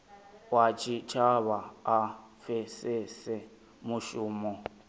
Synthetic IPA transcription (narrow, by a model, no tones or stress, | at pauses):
wat͡ʃʰʼit͡ʃʰaβaː | fɛsesɛ | mʊʃuːmɔ